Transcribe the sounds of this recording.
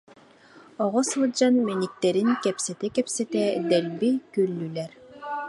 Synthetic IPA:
ɔʁɔsɯlˠd͡ʑanmɛnik̚t̪ɛɾinkɛpsɛt̪ɛkɛpsɛt̪ɛd̪ɛlbikylːylɛɾ

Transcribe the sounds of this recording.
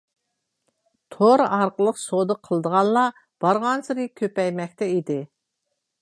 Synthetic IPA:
t̪ʰoɾɑɾqəlˠəqsod̪əqʰəlˠd̪əʁɑnlˠɑ | b̥ɑɾʁɑnsɨɾɨkʲʰøpɛjmɛk̚ʲt̪ʰɛid̪ɪ

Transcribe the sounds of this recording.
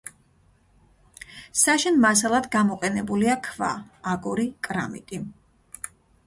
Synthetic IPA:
saʃɛnmas̬alˠad̪ɡamɔqʼɛnɛbuliakʰva̰ːɡɔɾikʼɾa̰mḭt̪ʼi

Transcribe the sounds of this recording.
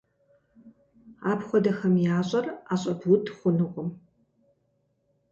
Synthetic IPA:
aːpχʷɔdɐxɐmjaːɕʷʼɐraːɕʼɐbʊtʰχʷʊnɨqʷʼʊm

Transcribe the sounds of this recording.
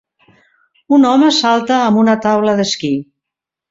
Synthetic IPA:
unɔməsalˠt̪əːmbunət̪awləðəski

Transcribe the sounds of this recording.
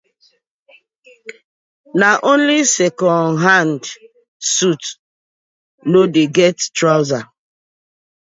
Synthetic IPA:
naʔõnlisɛkɔ̃nɦand | sut | nodeɡɛttɾaʊza

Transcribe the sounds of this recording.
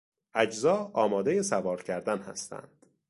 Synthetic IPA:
ʔæd͡ʒzɒːɒːmɒːd̪ejesævɒːɾcʰæɾd̪ænhæ̰st̪ʰæ̰nd̪̥

